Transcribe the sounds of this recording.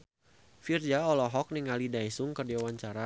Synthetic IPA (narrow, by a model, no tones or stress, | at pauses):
fird͡ʒaɔlɔɦɔk̚niŋalidajsuŋkərdiawaɲt͡ʃaɾa